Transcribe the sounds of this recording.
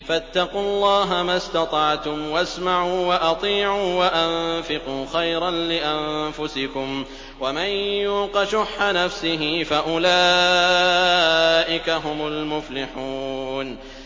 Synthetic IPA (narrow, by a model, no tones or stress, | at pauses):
fat̪ːɑqʊlˤːɑːɦamast̪ɑt̪ˤɑʕt̪ʊmwʔasmaʕuːwaʔɑt̪ˤiːʕuːwaʔanfɪquːxajɾanlɪʔamfʊsɪkʊm | wamanjuːqɑʃʊħːanafsɪɦɪfaʔʊlaː | ʔɪkaɦʊmʊlmʊflɪħuːn